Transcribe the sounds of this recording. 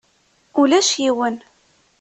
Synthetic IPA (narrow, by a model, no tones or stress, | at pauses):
ulæʃjiwən